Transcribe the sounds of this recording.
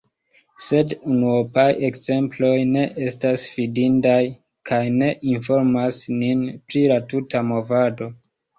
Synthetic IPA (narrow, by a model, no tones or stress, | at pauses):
se̞dunuopaje̞kze̞mplo̞jne̞ʔe̞stasfidindaj | kʰajne̞ʔinfo̞ɾmasninpɾilatutamo̞vado̞